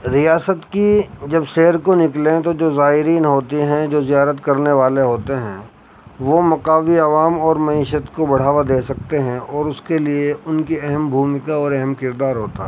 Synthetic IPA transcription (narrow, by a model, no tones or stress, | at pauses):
ɾijaːsət̪kid͡ʒɐbʃeːɾkonɪklẽt̪od͡ʒoːzaːɦɪɾiːnɦoːt̪iɦɛ̃d͡ʒoːzijaːɾət̪kɐɾneʋaːleɦoːt̪eɦɛ̰̃ː | ʋomɐqaːʋiaʋaːmɔːɾmɐiːʃət̪kobɐɽ̤aːʋad̪eːsɐk̚t̪eɦɛ̃ɔːɾʊskelieʔʊnkiɛɦɛmbʱuːmɪkaɔːɾɛɦɛmkɪɾd̪aːɾɦoːt̪aɦɛ